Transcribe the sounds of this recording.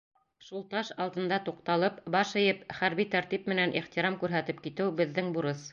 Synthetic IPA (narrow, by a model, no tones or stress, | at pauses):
ʃulˠt̪ɑʃɑlˠd̪ɤ̆nd̪ɑt̪uqt̪ɑlˠɤpbɑʃɘ̆jɘpχæɾβit̪æɾt̪ip̚mɘ̆nænʔḭχt̪iɾɑmkʉɾɦæt̪ɘp̚kit̪ɘwbɘ̆ðːɘŋbuɾɤs